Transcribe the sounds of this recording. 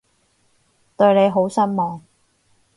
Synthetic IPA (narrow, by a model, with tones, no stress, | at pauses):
t̪ɵ˧ɥne˨˧jɦo˨˥wsɐ˥nmɔː˨ŋ